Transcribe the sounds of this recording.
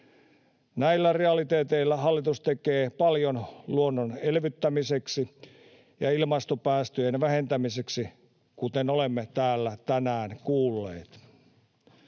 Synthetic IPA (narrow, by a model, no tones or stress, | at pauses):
næilːæreɑlit̪eːt̪eilːæɦɑlːit̪ust̪ekeːpɑljonluonːonelʋyt̪ːæmiseksi | jɑ̰ilmɑst̪opæːst̪øjenʋæhe̞nt̪æmiseksi | kut̪enolemːet̪æːlːæt̪ænæːnkuːlːḛːt̪